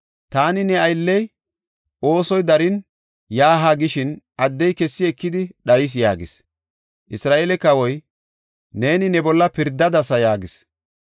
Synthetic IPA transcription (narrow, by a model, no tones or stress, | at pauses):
t̪aːnɪnɛɐjlːɛj | ʔo̞ːsɔjd̪ɐɾɪn | jaːɦaɡɪʃɪnʔɐd̪ːɛjkɛsːɪɛkːɪd̪ɪɗɐjɪs̬ja̰ːɡɪs | ʔɪsɾaːʔeːlɛkːɐwɔj | ne̞ːnɪnɛbɔlːɐpɪɾd̪ːɐd̪ɐsɐjaːɡɪs